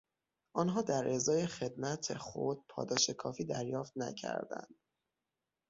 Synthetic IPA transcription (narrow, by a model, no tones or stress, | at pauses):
ʔɒːnɦɒːd̪æɾʔe̞zɒːje̞xe̞d̪mæt̪ʰexo̞d̪̥̚pʰɒ̰ːd̪ɒːʃe̞kʰɒːfiːd̪æɾjɒːft̪næ̰cʰæ̰ɾd̪æ̰nd̪̥̚